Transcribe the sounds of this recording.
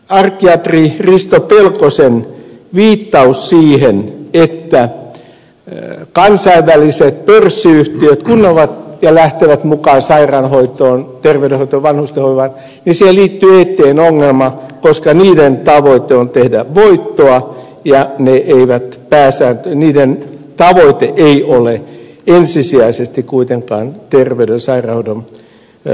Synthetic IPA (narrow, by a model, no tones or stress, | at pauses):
ɑrkːiɑt̪ririst̪opelkosenʋiːt̪ːɑussiːhenet̪ːæ | kɑnsɑiʋːæliset̪̚pørsːiyht̪iøt̪kunːoʋɑt̪jɑlæht̪eʋæt̪mukɑːnsɑirɑnhoit̪oːnt̪erʋeˑyɾehoit̪oːʋʋɑnhust̪ehoiʋɑn | nisiheliːt̪ːyːet̪ːeːnoŋːelmɑkoskɑniːdent̪ɑʋoit̪eont̪ehdæʋoit̪ːoɑ | jɑneʔeiʋæt̪pæːsæːnt̪øniːdent̪ɑʋoit̪eʔeiʔole | ensisiæisest̪ikkuit̪eŋkɑ̰ːnt̪erʋeydensɑirɑhoidon